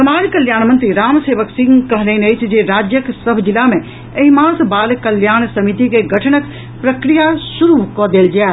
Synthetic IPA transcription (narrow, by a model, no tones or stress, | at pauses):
ɐmaːɾkəljaːnmə̃nt̪ɾiɾaːmseːʋəksɪ̃ŋɡkəɦləɪnəjt͡ʃʰd͡ʒeɾaːd͡ʒjəksəbʱd͡ʒilamẽ | ɐɦimãːsbaːlkəljaːñsɐmit̪ikeɡʱəʈʰnək | pɾəkɾijasuɾukɔd̪eːld͡ʒa